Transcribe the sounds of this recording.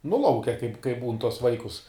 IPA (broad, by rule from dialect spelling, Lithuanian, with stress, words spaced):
nʊ ˈlˠɐʊkʲɛ kɐɪp kɐɪp buːn tuɔs ˈʋɐɪkʊs